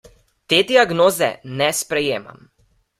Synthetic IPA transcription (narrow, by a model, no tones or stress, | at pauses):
t̪eːd̪iaɡnoːzɛ̰nɛspɾɛjeːma̰m